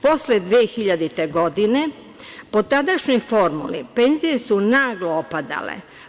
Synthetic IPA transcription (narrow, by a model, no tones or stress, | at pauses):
po̞sled̪ʋeːxiʎad̪it̪e̞ɡo̞d̪ine̞ | po̞t̪ad̪aʃɲifo̞ɾmṵlḭpe̞ːnzije̞sunaːɡloopad̪a̰lḛ